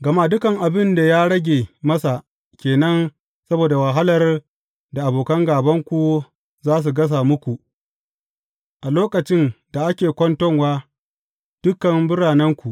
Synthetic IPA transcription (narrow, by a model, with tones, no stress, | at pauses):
ɡɐ˨ma˦dʊ˦kɐ˨ŋʔa˨bɪ˦nda˨jaː˦ɽɐ˦ɡʲeː˨mɐ˦sa˨ | kʲeː˨nɐ˦n | sɐ˦boː˨da˨wa˨ɦa˦lɐ˨r | da˨ʔa˨boː˨kɐ˦ŋɡaː˨bɐ˦ŋkʷu˨ | zaː˦s̬u˨ɡɐ˦s̬a˨mʊ˦kʷu˨ʔ | ʔa˨loː˦kɐ˨t͡ʃɪ˦nda˨ʔa˦kʲeː˨kʷɔ˦ntɔ˦ŋwaː˦ | d̥ʊ˦kːɐ˨mbɪ˦ɽaː˨nɐ˦ŋkʷu˨ʔ